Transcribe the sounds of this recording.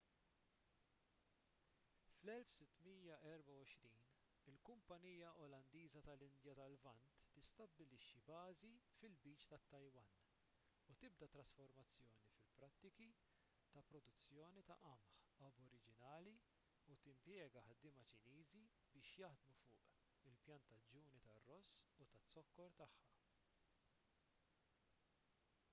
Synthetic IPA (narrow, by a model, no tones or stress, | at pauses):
flɛlfsɪt̪ːmiːjɐʔɛɾbɐwɔʃɾiːn | ɪlkʊmpɐniːjɐʔɔlɐnd̪iːzɐt̪ɐlɪnd̪jɐt̪ɐlvɐnt̪ːɪst̪ɐbːɪlɪʃːibɐːzifɪlbiːt͡ʃt̪ɐt̪ːɐjwɐn | ut̪ɪb̚d̪ɐt̪ɾɐsfɔɾmɐt͡sːjɔːnifɪlpɾɐt̪ːɪki | t̪ɐpɾɔd̪ʊt͡sːjɔːnit̪ɐ̰ʔɐmħɐbɔɾɪd͡ʒɪnɐːli | ut̪ɪmpjɛːɡɐħɐd̪ːɪːmɐt͡ʃɪniːzi | bɪːʃjɐħd̪mufʊːʔ | ɪlpjɐnt̪ɐd͡ʒuːnit̪ɐrːɔsːut̪ɐt͡sːɔkːɔɾt̪ɐħːɐ